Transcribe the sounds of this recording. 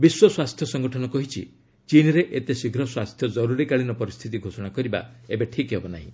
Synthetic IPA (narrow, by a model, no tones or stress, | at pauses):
biswɔswast̪ʰjɔsɔŋɡɔʈʰɔnɔkɔɦit͡ʃʰḭ | t͡ʃinɔɾeʔet̪esiɡʱɾɔswast̪ʰjɔd͡ʒɔɾuɾikaɭinɔpɔɾist̪ʰit̪iɡʱosɔɽ̃akɔɾiba̰ebeʈʰikɦebɔnaɦḭ̃